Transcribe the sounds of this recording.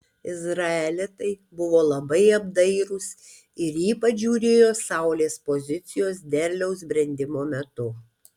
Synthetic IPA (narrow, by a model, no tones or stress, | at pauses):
ɪzɾɐɛlʲɪt̪ɐɪbʊʋoːlˠɐbɐɪɐbd̪ɐɪɾʊs | ɪɾjiːpɐʒʲuːɾʲeːjoːsɑˑʊlʲeːspozʲɪt̪sʲɪjoːs̬d̪ʲɛɾʲlʲɛʊsbʲɾʲɛnʲd̪ʲɪmoːmʲɛt̪ʊ